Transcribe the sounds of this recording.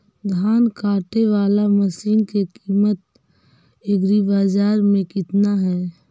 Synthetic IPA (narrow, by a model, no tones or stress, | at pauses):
d̪ʱaːnkaːʈeʋaːlaməsiːnkekiːmət̪̚ | ɪɡɾibaːd͡ʒaːɾmẽkɪt̪naɦɛː